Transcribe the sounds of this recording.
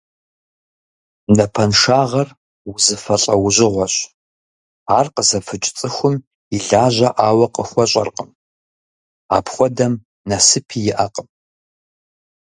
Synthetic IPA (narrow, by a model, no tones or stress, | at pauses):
nɐpʰɐnʂaːʁɐr | wʊzɨfɐɬʼɐwʊʑʷɪʁʷɔɕ | aːrqəzɐfɨt͡ʃʼt͡sʼɨxʷʊm | iɮaːʑʷɐʔaːwɐqəxʷɔɕʷʼɐ̰rqʼəm | a̰ːpʰxʷɔdɐm | nɐsɨpʰiːjɪʔɐqʼəm